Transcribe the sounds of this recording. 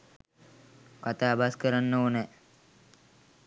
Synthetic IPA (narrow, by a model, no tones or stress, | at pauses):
kat̪aːbaskəɾanːəonɛ